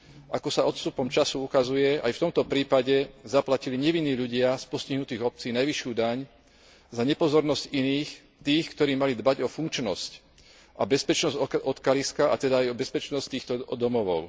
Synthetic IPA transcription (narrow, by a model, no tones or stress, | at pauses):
ʔakɔsaɔt̪st̪upɔmt͡ʃasuukazujɛa̰jft̪ɔmt̪ɔpɾiːpaɟɛzaplaciliɲɛʋinːiːʎuɟɪaspɔsciɦnut̪iːɣɔp̚t͡siːnajʋiʃɪuːd̪aɲ | zaɲɛpɔzɔɾnɔsciniːx | t̪iːxkt̪ɔɾiːmalid̪baɟɔfuŋkt͡ʃnɔsc | ʔabɛspɛt͡ʃnɔzʔɔt̪kaliskaʔa̰t̪ɛd̪aːjɔbɛspɛt͡ʃnɔsct̪iːxt̪ɔd̪ɔmɔʋɔʊ